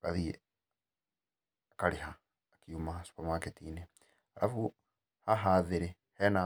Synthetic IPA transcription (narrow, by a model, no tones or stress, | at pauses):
ka̰ði | akaɾehaː | kiumasu̥pamaketiːne | ala̰fu | haɦaːðeɾe | hɛna